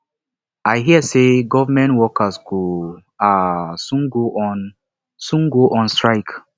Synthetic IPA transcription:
aɪɦiəseɡɔvamɛ̃ntwɔkasɡo | asũnɡoʔn | sũnɡoʔɔ̃nstɹaɪk

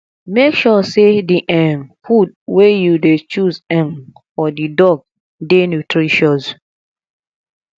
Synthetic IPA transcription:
mekʃɔsediʔɛ̃nfud̚wejudet͡ʃuzɛ̃n | ɔdidɔɡ̚ | denutʰɾiʃɔz

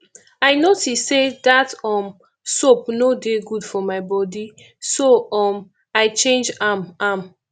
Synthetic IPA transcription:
aɪnotissedatɔm | sopnodeɡudfɔmaɪbɔdi | soɔm | aɪt͡ʃẽnd͡ʒamam

